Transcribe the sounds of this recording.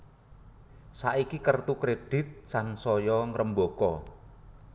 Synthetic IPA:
saʔikikərt̪ukɾeɖ̥ɪ̤t̪̚sansɔjɔŋɾəmbokɔ

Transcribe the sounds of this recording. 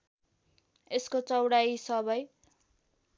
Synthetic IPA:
eskot͡sʌwɽajsʌbʌj

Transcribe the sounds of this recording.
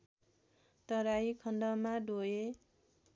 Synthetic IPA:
t̪ʌɾaikʰʌndʌmaɖoe

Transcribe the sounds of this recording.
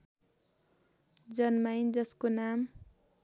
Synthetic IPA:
d͡zʌnmajnd͡zʌskonam

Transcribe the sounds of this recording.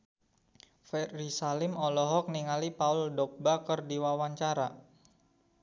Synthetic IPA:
fɛrisalɪmɔlɔɦɔk̚niŋalipaʊldɔk̚bakərdiwawaɲt͡ʃaɾa

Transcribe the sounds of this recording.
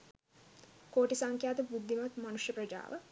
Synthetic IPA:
koːʈisaŋkjaːt̪əbud̪ʱːimɐt̪mɐnuʂjəprɐd͡ʒa̰ːʋə̰

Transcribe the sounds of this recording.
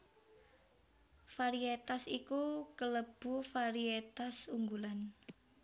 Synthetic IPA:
faɾiet̪asikukələb̥ṳfaɾiet̪asuŋɡulan

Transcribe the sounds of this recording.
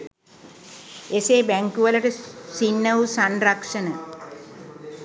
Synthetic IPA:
eseːbæŋkuʋələʈəsinːəʋusanrakʂənə

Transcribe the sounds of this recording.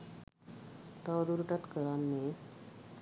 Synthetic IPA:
t̪aɾuɾʈat̪kəɾanːe

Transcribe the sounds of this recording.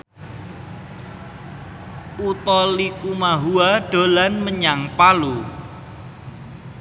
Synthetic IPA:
ut̪ɔlikumaɦuaɖ̥o̤lanməɲaŋpalu

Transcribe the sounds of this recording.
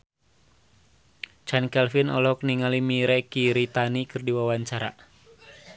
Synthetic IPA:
t͡ʃankɛlfinɔ̰lɔk̚niŋalimiɾɛkiɾit̪anikɨrdiwawaɲt͡ʃaɾa̰

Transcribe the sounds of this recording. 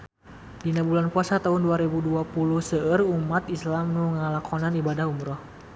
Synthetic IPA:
dinabulanpuasat̪aɦʊnduaɾɛbuduapuluhsəərumat̪islamnuŋalakʰɔnanibadaɦumɾɔh

